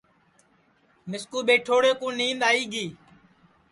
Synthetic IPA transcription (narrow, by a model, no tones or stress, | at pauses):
mɪskuːɓeːʈʰoːɽeːkũːnĩːnd̪aːiːɡiː